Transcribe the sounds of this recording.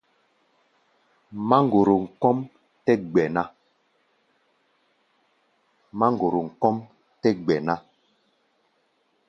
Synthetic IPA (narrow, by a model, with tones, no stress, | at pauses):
ma˦ŋ˨ɡo˨ɾo˨ŋ̩˨kɔ˦m | tɛ˦ɡ͡bɛ˨na˦ | ma˦ŋ˨ɡo˨ɾo˨ŋ̩˨kɔ˦m | tɛ˦ɡ͡bɛ˨na˦